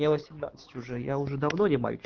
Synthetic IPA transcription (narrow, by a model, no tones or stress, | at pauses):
evəsʲɪmna̰t̪sə̥tʲʊʐɛjaʊʐɛd̪ɐvnonʲɪma̰j̰ʲt͡ʃ